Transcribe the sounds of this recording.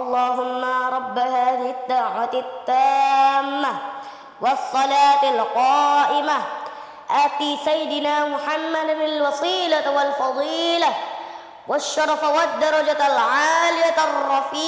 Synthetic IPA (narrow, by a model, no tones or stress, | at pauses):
ʔɑlˤːɑːɦʊmːaɾˤɑbːahaːðɪhɪd̪ːaːʕwat̪t̪ːaːmːa | wɑsˤːɑlaːt̪ɪlqɑːʔɪma | ʔafiːsajːɪd̪ɪnaːmʊħamːad̪aalwɑsˤiːlawalfɑd̪ˤiːla | waʃːɑɾˤɑfawad̪ːɑɾˤɑd͡ʒalʕaːlɪjarˤːɑfiː